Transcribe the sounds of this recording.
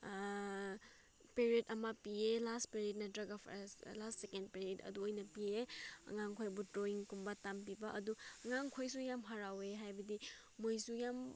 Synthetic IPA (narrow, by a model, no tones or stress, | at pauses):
peɾiedɐmɐpielastpeɾiet̚nɐdɾɐɡalastsekend̚peɾietɐ̰duojnɐpieɐ̰ŋaŋkʰojbutɾoiŋkumbɐtampibɐʔɐduɐŋaŋkʰojsujamɦaɾaweɦajbɐdiː | ojsujam